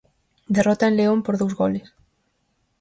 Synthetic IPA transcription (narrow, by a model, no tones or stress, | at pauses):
d̪erɔt̪aenleompoɾðowzɣoles